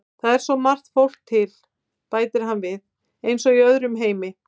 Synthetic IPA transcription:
θaðɛɾ̥sɔmar̥t̪fowl̥k̚t̪ʰːɪl | paːjt̪ɪɾ̥ɦanvɪð | ejnsɔiœðɾʏmɦeːjmɪ

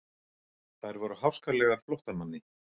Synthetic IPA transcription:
θajɾvɔɾʏhawskalɛɣaɾflɔwht̪amanːɪ

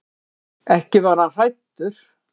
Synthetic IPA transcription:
ɛhcɪvaɾ̥hanr̥ajt̪ːʏɾ̥

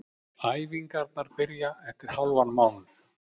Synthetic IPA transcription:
aːjviŋkaɾt̪naɾpɪɾjaɛft̪ɪɾ̥hawlvanmawnθ

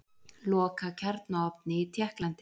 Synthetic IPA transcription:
lɔːkacʰɛɾt̪naɔpnɪit̪ʰjɛhklant̪ɪ

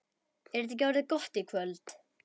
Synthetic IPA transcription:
ɛɾɪt̪icːawɾðɪkɔht̪ikʰvœlt̪

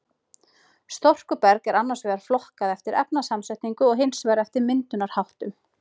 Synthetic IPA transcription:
st̪ɔr̥kʏpɛɾkɛɾanːasvɛːðaɾ̥flɔhkaðɛft̪ɪɾɛp̚nasamsaht̪niŋkʏɔɣɦɪnsvɛjɾɛft̪ɪɾmɪnt̪ʏnaɾ̥hawht̪ʏm

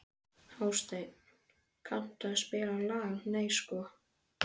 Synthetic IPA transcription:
haːwst̪ej | kʰan̥t̪aðspɪːlalaːɣneːjskɔː

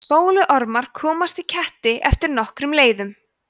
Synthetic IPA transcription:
spoːwlʏʔɔɾmaɾ̥kʰɔːmast̪icʰɛht̪ɪʔɛft̪ɪɾnɔhkɾʏmleːjðʏm

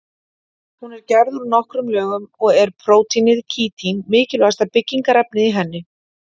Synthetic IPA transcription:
hunɛɾ̥cɛɾðuɾunɔhkɾʏmlœːɣʏmɔɣɛɾ̥pʰɾoːwt̪inɪðcʰiːt̪ʰinmɪːcɪlɛɣast̪apɪcːiŋkaɾɛpnɪðiɦɛnːɪ

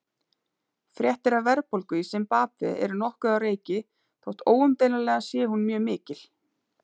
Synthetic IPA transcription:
fɾjɛht̪ɪɾavɛɾpowlkʏisɛmpaːpvɪ̰ɛ̰ɾʏnɔhkʏðareːjcɪ | θʰowht̪oːwʏmt̪eːjnaɾlɛːɣasjɛːhunmjœːmɪːcɪl̥

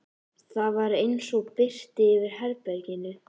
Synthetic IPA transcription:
θaðvaɾejnsɔɣpɪr̥t̪ɪːvɪɾ̥hɛɾpɛɾcɪnʏ

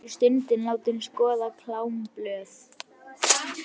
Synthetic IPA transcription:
st̪ʏnt̪ɪnlaːwt̪ɪnskɔːðakʰlaːwmplœːθ

